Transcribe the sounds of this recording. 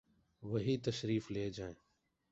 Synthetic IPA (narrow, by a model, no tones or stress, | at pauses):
ʋəɦiːt̪əʃɾiːfleːd͡ʒaːẽː